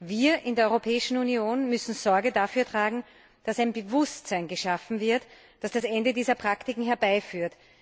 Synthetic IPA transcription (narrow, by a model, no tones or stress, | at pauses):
viːɐʔɪndeːɐɔʏʁopʰɛːɪʃn̩unioːnmʏsn̩z̥ɔɐɡədafyːɐtʁ̥aːɡŋ̩ | d̥asæɪnbəvʊstt͡sæɪnɡəʃafn̩vɪɐt | d̥asd̥asɛndədiːzɐpʁ̥aktɪkŋ̩ɦɛɐbaɪfyːɐt